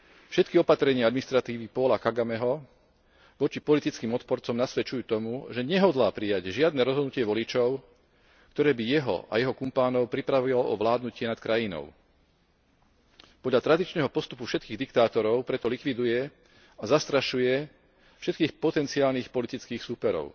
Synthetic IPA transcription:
fʃɛt̪kiɔpat̪ɾɛɲɪaad̪minist̪ɾat̪iːʋipɔlakaɡamɛɦɔ | ʋɔt͡ʃipɔlit̪it͡skiːmɔt̪pɔɾt͡sɔmnasʋɛt͡ʃujuːt̪ɔmuʒɛɲɛɦɔd̪laːpɾijaɟʒɪad̪nɛːɾɔzɦɔd̪nucɪɛʋɔlit͡ʃɔʊ | kt̪ɔɾɛːbijɛɦɔ̰ʔa̰jɛɦɔkumpaːnɔʊpɾipɾaʋilɔɔ̰ʋlaːd̪nucɪɛnat̪̚kɾajinɔ̰ʊ | pɔd̪lʎat̪ɾad̪it͡ʃnɛɦɔpɔst̪upufʃɛt̪̚kiːɣd̪ik̚t̪aːt̪ɔɾɔʊpɾɛt̪ɔlikʋid̪ujɛ | azast̪ɾaʃujɛ | fʃɛt̪kiːxpɔt̪ɛnt͡siaːlnixpɔlit̪it͡skiːxsuːpɛɾɔ̰ʊ

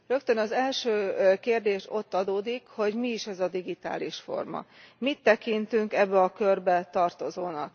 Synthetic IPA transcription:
rø̞kt̪ønɒzɛlʃøːkeːrd̪eːʃo̞t̪ːɒd̪oːd̪ikho̞ɟmiːʃɛzɒd̪iɡit̪a̰ːliʃfo̞̰rmɒ̰mit̪ːɛkint̪yŋkɛbːɛɒkørbɛt̪ɒrt̪o̞zoːnɒk

